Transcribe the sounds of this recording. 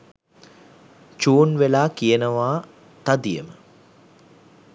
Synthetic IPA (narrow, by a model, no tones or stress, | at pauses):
t͡ʃuːnʋelaːkijənəʋaː | t̪ad̪ijəmə